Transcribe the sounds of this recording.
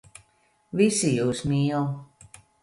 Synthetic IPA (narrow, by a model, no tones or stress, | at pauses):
visijuːsmiːɛlˠ